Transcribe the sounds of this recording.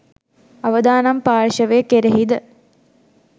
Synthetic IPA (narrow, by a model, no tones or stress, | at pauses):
ɐʋɐd̪aːnɐmpaːɻʃɐʋeːkeɾeɦid̪ə